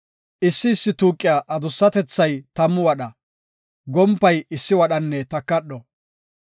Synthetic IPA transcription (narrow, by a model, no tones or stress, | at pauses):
ʔɪsːɪːsːɪt̪uːkʼːɪjaʔɐd̪ʊsːɐt̪ɛt͡sːɐjt̪ɐmːʊwɐɗɐ | ɡɔmpːɐjɪsːɪwɐɗɐnːɛt̪ɐkːɐɗɔ